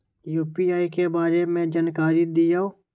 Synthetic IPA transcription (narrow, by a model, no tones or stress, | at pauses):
juːpiaːikebaːɾemẽd͡ʒaːnkaːɾid̪ijaːoː